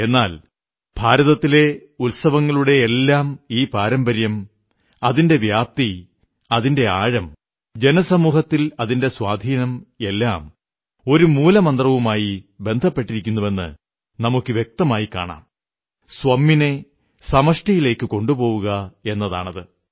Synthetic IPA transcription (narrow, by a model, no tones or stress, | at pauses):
e̞nːaːl | b̥ʱaːɾɐðɐt̪ːile̞ulsɐʋɐŋːɐɭuɽe̞ːlːaːmiːpaːɾɐmbɐɾjɐm | ɐðinde̞ʋjaːp̚t̪i | ɐðinde̞aːɻɐm | d͡ʑe̞nɐsɐmuːhɐt̪ːilɐðinde̞swaːd̪ʱiːnɐme̞lːa̰ːm | o̞ɾumuːlɐmɐnd̪rɐʋumaːjibe̞nd̪ʱɐpːe̞ʈːiɾikʲːunːuʋe̞nːɨ̰ | nɐmukːɨʋjek̚t̪ɐmaːjikːa̰ːɳa̰ːm | swɐmːine̞ | sɐmɐʂʈijile̞ːkːɨko̞ɳɖupo̞ːʋuɣɐe̞nːɐða̰ːɳɐðɨ